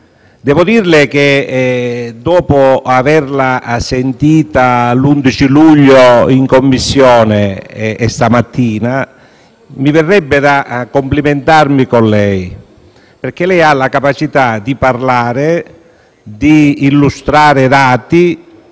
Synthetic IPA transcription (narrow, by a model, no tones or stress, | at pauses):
d̪ɛːvʊd̪irlɪk̟e | d̪ɔːpʊavɛrlasent̪iːt̪alund̪it͡ʃiluʎːoiŋkomːisːjɔːneːst̪amat̪ʰːiːna | mivɛrːɛbːɪd̪akːompliment̪armikonlɛj | perk̟elɛjalakapat͡ʃit̪ad̪iparlaːɾɪ | d̪iːlːust̪ɾaːɾɪd̪aːt̪i